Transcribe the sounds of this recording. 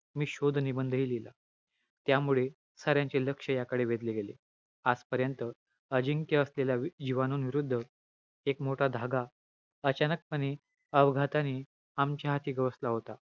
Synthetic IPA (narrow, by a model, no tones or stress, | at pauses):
miːɕod̪ʱnibənd̪ʱilila | t̪jamuɭe | səɾjãɲt͡ɕeləkʂəjakəɽeʋed̪leɡele | ad͡zpəɾjənt̪ə | əd͡ʑiŋkjəəslelad͡ʑiʋanuːnʋiɾud̪ʱːə | ekmoʈʰad̪ʱaɡa | ət͡ɕanək̚pəñi | əbɡʱat̪ani | amt͡ɕjaɦat̪ʰiːɡəʋəslaɦot̪a